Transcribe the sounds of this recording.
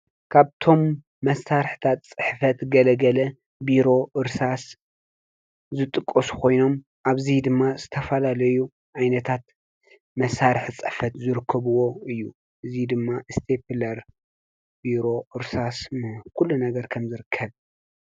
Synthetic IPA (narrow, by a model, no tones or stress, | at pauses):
kʰaβt̪ʰo̞mː | ɐsːaɾħt̪ʰat̪t͡sʼɨħfɐt̪ɡɐlɐɡɐlɐ | biɾo̞ʔɨɾsas | zɨt̪ʼɨkʼːɐsu̥kʰo̞jno̞m | ʔaβzid̪ɨmːazɨt̪ʰɐfɐlalɐju | ʕajnɐt̪ʰat̪ | mɐsːaɾɨħt͡sʼɨħfɐt̪zɨɾɨkʰːɐβuwo̞ɨjːṵ | ʔɨzid̪ɨmːaʔɨst̪ʰeplɐɾ | biɾo̞ʔɨɾsasnɨkʰulːunɐɡɐɾkʰɐmzɨɾɨkʰːɐβ